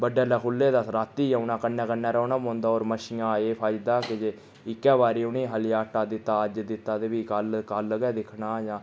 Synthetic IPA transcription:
bəɖeːlɛːkʰʊlːeːd̪aːsɾaːt̪ːiːãːʊnãːkənːɛ̃ːkənːɛːɾəːnaːmõːnd̪aːoːɾməʃɪjãːeːpʰaːɪd͡ʒd̪aːkɪd͡ʒeː | ɪkːɛːbaːɾiːʊniːɦəljaːʈaːd̪ɪt̪ːaːəd͡ʒd̪ɪt̪ːaːd̪eːʋiːkəlkəlɡɛːd̪ɪkʰɳaːjãː

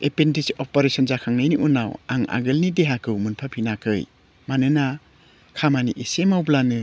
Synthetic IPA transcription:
epentisiʔɔpɔɾesɔnzakʰaŋnajniʔunawa̰ŋa̰ɡɯlnideɦakɯwmɯnpʰapʰinakʰɯj | manɯna | kʰamaniʔesemawblanɯ

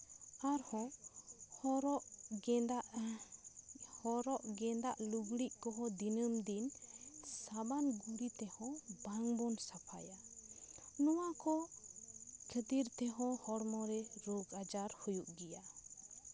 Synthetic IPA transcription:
aɾhɔ | hɔɾɔʔɡd̪aʔ | hɔɾɔʔɡɛnd̪aʔluɡɽiʔkɔɦɔd̪inəmd̪insabanɡuɽit̪ɛhɔ̃baŋbɔnsapʰaja | nɔwakɔ | kʰəd̪iɾt̪ɛɦɔ̃hɔɽmɔɾɛɾoɡad͡ʒaɾhujuʔɡija

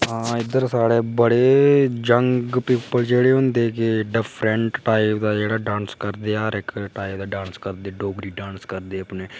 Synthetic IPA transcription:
ãːɪd̪əɾsaːɽeːbəɽeːd͡ʒəŋɡpɪpːəld͡ʒeːɽeːɦõːnd̪eːkɪɖɪpʰɾəɳʈʈaːibd̪aːd͡ʒeːɽaːɖãːnskəɾd̪eːaːɾɪkʈaːibd̪aːɖãːnskəɾd̪eːɖoːɡɾiːɖãːnskəɾd̪eːəpneː

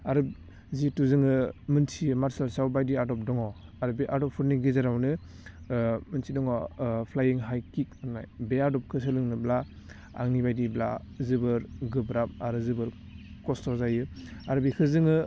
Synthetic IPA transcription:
aɾɯb | zituzɯŋɯmɯnsʰimaɾsalsawbajdiadɔp̚dɔŋɔaɾɯbiʔadɔpʰuɾniɡizaɾawnɯ | mɯnsʰidɔŋɔpʰlajiŋɦajkik̚ana̰jbeaɾdɔp̚kʰɯs̬ʰɯlɯŋnɯbla | a̰ŋnibajdibla̰ | zɯbɯɾɡɯbɾap̚aɾɯzɯbɯɾ | kɔstɔzajɯaɾɯbikʰɯzɯŋɯ

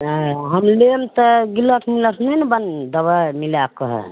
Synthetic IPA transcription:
ɦəmlemt̪əɡiləʈʰmiləʈʰnənbənd̪əβamilakəɦɛ̰

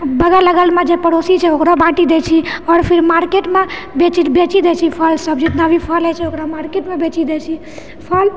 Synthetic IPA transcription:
bəɡaləɡəlmẽd͡ʒepəɽosit͡ʃʰɛokɾabãʈid̪et͡ʃʰiɔːɾpʰɪɾmaɾkeʈmẽbet͡ʃibet͡ʃid̪et͡ʃʰipʰəlsəbd͡ʒɪt̪nabʱipʰəlɛt͡ʃʰɛokɾamaɾkeʈmẽbet͡ʃid̪et͡ʃʰi | pʰəl

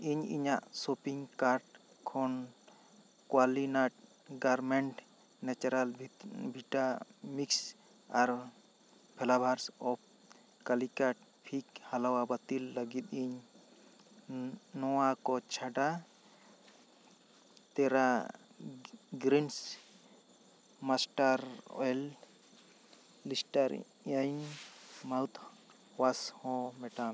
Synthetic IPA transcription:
iɲḭɲaʔsopiŋkaɾʈ | kʰɔn | kwalinaʈ̚ | ɡaɾmɛɳʈ | nɛt͡ʃɾalbʱiʈamiks | aɾ | pʰɛlabʱaɾsɔp̚ʰ | kalikaʈ̚ | pʰik̚halawabat̪ilːəɡit̪̚iɲ | nɔwakɔt͡ʃʰaɖa | t̪ɛɾa | ɡɾins | masʈaɾɔ̰ɛl | isʈaɾ | ajnmawt̪ʰ | washɔ̃mɛʈam

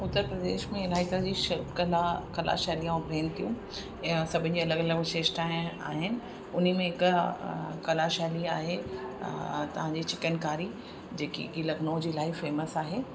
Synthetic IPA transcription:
ʊt̪ːəɾpɾɐd̪ḛːʃmẽɪlaːɦit̪ɐd͡ʑiʃɐɾpkɐlakɐla̰ʃaːlijãbʱẽːnɪt̪ʰijũ | sɐbʱɪnɪ̆d͡ʑiːɐləɡɐləɡʃeːʃʈaːɪ̃a̰ːɦɪnɪ̆ | ʊn̤imẽɪk | kɐlaʃaːliaːɦe | t̪ɐʋ̤ãɲd͡ʑiːt͡ɕɪkənkaːɾi | d͡ʑeːkḭɡilɐɡnod͡ʑiːlaːifeːməsaːɦeː

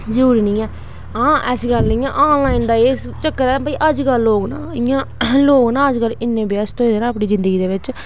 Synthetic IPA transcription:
d͡ʒuːɾinĩːɛː | ãːʔɛsiɡəlnɪĩːã̰ːʔaːnlaːind̪aːeːst͡ʃəkːəɾɛ̃ːbaiʔəd͡ʒkəloːɡnã̰ːɪjãːloːɡnãːəd͡ʒkəlːɪnːẽːbɪjaːst̪õẽːd̪eːnãːəpɳiːzɪnd̪əɡiːd̪eːʋɪt͡ʃ

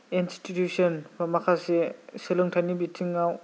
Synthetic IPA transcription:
institjusɔnbamakʰaseselɯŋtʰajnibitʰiŋːaw

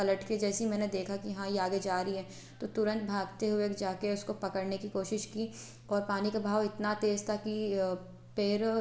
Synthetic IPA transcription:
pɐləʈked͡ʒɛːsimɛ̃ːned̪eːkʰakijɦãiaːɡed͡ʒaːɾiɦɛː | t̪oːt̪ʊɾə̃nt̪bʱaːɡt̪eɦʊekd͡ʒaːkeʊskopɐkəɽnekikoːʃɪʃkiː | ɔːɾpaːnikabʱaːʋɪt̪nat̪eːzt̪ʰaki | pɪɾ

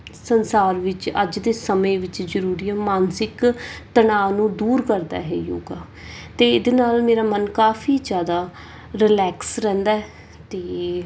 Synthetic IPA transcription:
sənsaːɾʋɪt͡ʃə̰d͡ʒd̪eːsəmẽːʋɪt͡ʃzəɾuːɾiɛːmaːnsɪkt̪ənaːnũːd̪uːɾkəɾd̪a̰ːɦɛ̰ːjo̰ːɡaː | t̪eːd̪eːnaːlmeːɾaːmənkaːfʰiːd͡ʒjaːd̪aː | ɾɪlɛːksɾɛ̃ːnd̪aːɛː | t̪eː

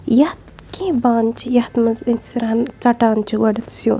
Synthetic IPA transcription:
jɐht̪̚kĩːbaːnt͡ʃʰijɐht̪mɐzinsiɾaːnt͡sɐʈaːnt͡ʃʰiɡɐɽɐt̪sjũː

